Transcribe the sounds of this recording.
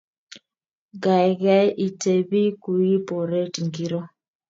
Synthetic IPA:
ɡa˨i˨ɣa˦ʔi˨tɛ˨bi˦ku˨i˦pɔ˨ɾɛ˦ti˨ŋɡi˦ɾɔ˦

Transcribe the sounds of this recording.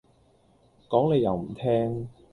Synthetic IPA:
kɔː˨˥ŋle˨˧jɐ˨˧wm̩˨˩t̪ʰɛː˥ŋ

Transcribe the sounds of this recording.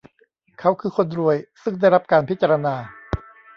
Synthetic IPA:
kʰa˦˥wkʰɯː˧kʰo˧nɾu˧əjsɯ˥˩ŋda˥˩jɾa˦˥p̚kaː˧npʰi˦˥t̪̚t͡ɕaː˧ɾa˧naː˧

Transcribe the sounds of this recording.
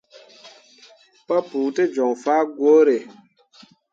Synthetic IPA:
pɔ˦puː˨te˦d͡ʒɔ˨ŋfaː˦ɡwo˦ɾe˨

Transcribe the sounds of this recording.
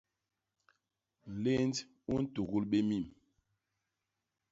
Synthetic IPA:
n̩˨le˦n˦d | u˦n̩˦tu˨ɣu˦lɓe˦mi˦˨m

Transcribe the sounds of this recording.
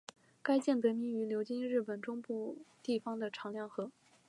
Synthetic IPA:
ka˥ɪt͡ɕjɛ˥˩np̪we˧˥ɪmi˧˥ŋy˧˥ljo˧˥ʊt͡ɕi˥ŋɻɻ̩˥˩pə˨˩nʈ͡ʂʊ˥ŋpu˥˧t̪i˥˩fɑ˧˥ŋd̪ə˨ʈ͡ʂʰɑ˧˥ŋljɑ˥˩ŋxɤ˧˥

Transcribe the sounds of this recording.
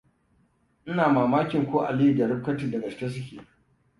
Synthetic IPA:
ʔɪ˦naː˨maː˨maː˦kʲɪ˨ŋkʷoː˦ʔa˨li˦i˨dɐ˨ɾɪ˦kːɐ˦tiː˨dɐ˨ɡɐ˨ɪ̥˦kʲe˦s̬ɪ˦kʲḛː˨

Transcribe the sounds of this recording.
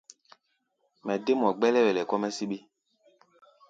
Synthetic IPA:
mɛ˨de˦m˨ɔ˨ɡ͡bɛ˦lɛ˦wɛ˨lɛ˨kɔ˦mɛ˦si˦ɓe˦

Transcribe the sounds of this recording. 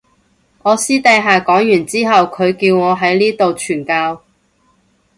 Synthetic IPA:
ŋɔː˨˧siː˥t̪ɐ˨˧jɦaː˨kɔː˨˥ŋjyː˨˩nt͡siː˥ɦɐ˨wkʰɵ˨˧ɥkiː˧wŋɔː˨˧ɦɐ˨˥jliː˥t̪o˨wt͡ʃʰyː˨˩nkaː˧w

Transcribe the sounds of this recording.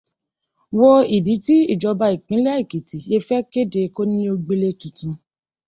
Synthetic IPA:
wɔ˧i˨di˨˦ti˦i˦˨d͡ʒɔ˧ba˧i˨k͡pĩ˨˦lɛ˦i˦˨ki˨ti˨je˧fɛ˦ke˦de˧ko˦nĩ˦o˧ɡ͡be˧le˧tũ˨tũ˧

